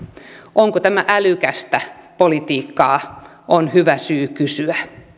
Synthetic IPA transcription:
ʔoŋkot̪æmæʔælykæst̪æpolit̪iːkːɑː | ʔonhyʋæsyːkysyæ

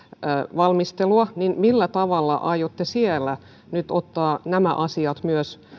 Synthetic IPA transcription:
ʋɑlmist̪eluɑninmilːæt̪ɑʋɑlːɑ̰ʔɑijot̪ːesielːæ | nyt̪ot̪ːɑːnæmæ̰ʔɑsiɑt̪myøs

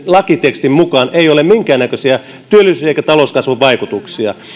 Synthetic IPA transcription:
lɑkit̪ekst̪immukɑːneijolemmiŋkæːnnækøsiæ | t̪yølːˑisysiæeikæt̪ɑloskɑsʋuʋʋɑikut̪uksiɑ̰

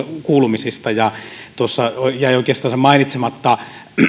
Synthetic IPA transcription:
kuːlumisist̪ɑjɑt̪uosːɑojæioˑikeːst̪ɑːnsemɑˑinit̪semɑt̪ːɑ

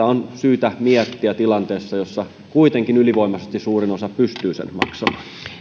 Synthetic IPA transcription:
æonsyːt̪æmiet̪ːiæt̪ilɑnt̪eːsːɑjosːɑ | kuit̪eŋkinyliʋoimɑsest̪issuːrinosɑpyst̪yːsḛnmɑ̰ksɑmɑːn

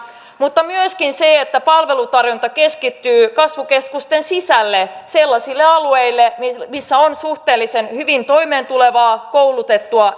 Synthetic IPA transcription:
mut̪ːɑmyøskinseet̪ːæpɑlʋelut̪ɑrjunt̪ɑkeskit̪ːyːkɑsʋukeskust̪ensisælːeselːɑsilːeɑlueilːemisːæonsuht̪eːlːisenhyʋint̪o̞imeːnt̪uleʋɑːkouwlut̪et̪ːuɑ

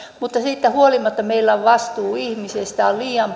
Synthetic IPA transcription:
mut̪ːɑsiːt̪ːæhuolimɑt̪ːɑmeilːɑʋʋɑst̪uːihmisest̪æolliːɑm

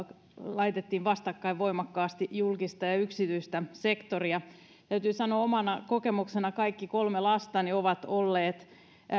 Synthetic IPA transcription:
lɑit̪et̪ːiːʋʋɑst̪ɑkːɑiʋʋo̞imɑkːɑːst̪ijulkist̪ɑjɑyksit̪yist̪æsekt̪oriɑ | t̪æyt̪yːsɑnoːomɑnɑkokemuksenɑkɑikːikolmelɑst̪ɑnioʋɑt̪olːeːt̪

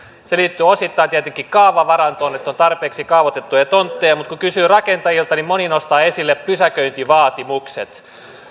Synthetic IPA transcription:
seliːt̪ːyːosit̪ːɑint̪iæt̪eŋkːˑikkɑuʋɑʋɑrɑnt̪oːnet̪ːont̪ɑrpeːksikɑuʋot̪et̪ːujɑt̪ont̪ːeːmut̪kukysyːrɑkent̪ɑjilt̪ɑnimoninost̪ɑːesilːeppysækøint̪iʋɑːt̪imuksḛt̪

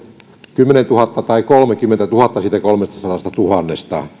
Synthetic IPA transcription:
kymːenent̪uhɑt̪ːɑt̪ɑikolmekymːent̪æt̪uhɑt̪ːɑsiːt̪ækolmest̪ɑsɑlɑst̪ɑt̪uhɑnːest̪ɑ̰

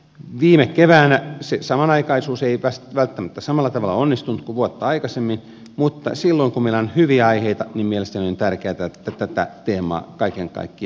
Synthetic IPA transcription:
ʋiːmekkeʋæːnæsesɑmɑnɑikɑisuːseiʋæsʋælt̪ːæmæt̪ːæsɑmɑlːɑt̪ɑʋɑlːˑɑonːist̪unt̪kuʋuot̪ːɑɑikɑsemːin | mut̪ːɑ̰silːoiŋkummeilæonhyʋiæɑiheit̪ɑnimmielest̪æniont̪ærkeːt̪æet̪ːæt̪æt̪æ̰t̪eːmɑ̰ːkɑikeŋkɑ̰ikːiɑ

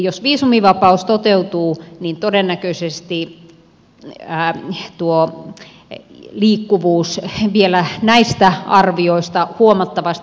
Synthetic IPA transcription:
josʋiːsumiʋɑpɑust̪ot̪eut̪uːnint̪odenːækøisest̪i | t̪uo | liːkːuʋuːsʋielænæist̪æʔɑrʋioist̪ɑhuomɑt̪ːɑʋɑst̪

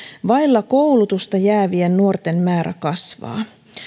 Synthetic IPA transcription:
ʋɑilːɑkowlut̪ust̪ɑjæːʋiennuort̪e̞nmæːɾæ̰kɑsʋɑ̰ː

